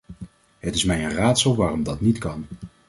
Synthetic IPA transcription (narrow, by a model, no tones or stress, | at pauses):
ɦətɪsmɛjənraːtsəlˠʋaːrɔmdɑtnitkɑn